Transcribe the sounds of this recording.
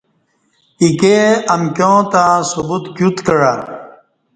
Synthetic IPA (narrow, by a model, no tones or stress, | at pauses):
ikeɐmkʲjõːt̪ãsubut̪kjut̪kɐɻa